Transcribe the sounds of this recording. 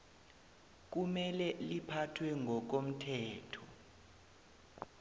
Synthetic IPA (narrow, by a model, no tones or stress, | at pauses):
k̬umɛlɛlipʰatʰwɛŋɡʱɔk̬om̩tʰɛːtʰɔ